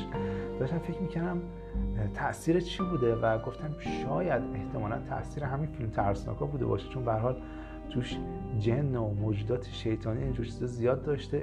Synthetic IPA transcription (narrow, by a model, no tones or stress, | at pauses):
d̪ɒːʃt̪æmfecʰmiːcʰæɾd̪æm | t̪ʰæʔsiːɾet͡ʃʰibuːd̪evæɡoft̪ʰæmʃɒːjæd̪eht̪ʰe̞mɒːlæ̰nt̪ʰæ̰ʔsiːɾeɦæminfilmt̪ʰæɾsnɒ̰kʰɒbuːd̪ebɒ̰ːʃe̥t͡ʃʰonbehæɾhɒːl | t̪ʰuːʃ | d͡ʒenːomoːd͡ʒuːd̪ɒːt̪ʰeʃejt̪ʰɒːniind͡ʒoɾt͡ʃʰizɒzijɒːd̪ːɒʃt̪e